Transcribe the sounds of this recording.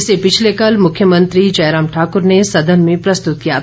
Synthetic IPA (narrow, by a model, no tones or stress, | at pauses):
sepɪt͡ʃʰlekɐlmʊkʰjəmə̃nt̪ɾid͡ʒɐɪɾaːmʈʰaːkʊɾnesɐd̪ʱənmẽpɾɐst̪ʊt̪̚kija̰t̪ʰː